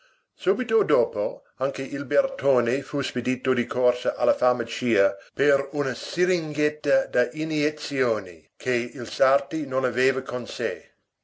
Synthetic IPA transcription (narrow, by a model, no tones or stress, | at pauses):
suːbit̪od̪oːpo | aŋkeʔilbert̪ʰoːnefusped̪iːt̪od̪ikʰorsɐʔalːɐfamɐt͡ʃiːɐpeɾunɐsiɾiŋɡɛt̪ːɐd̪aʔinjet̪sjoːnḭ | kʰeilsart̪inõnaveːvɐkʰonse